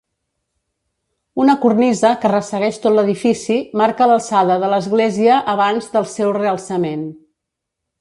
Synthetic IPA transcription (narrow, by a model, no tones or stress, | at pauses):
unəkurnizəkərəsəɣɛʃt̪ot̪ləðifisimaɾkələlˠsaðəðələzɣleziəʔːβanzðəlˠsɛwreəlˠsəmen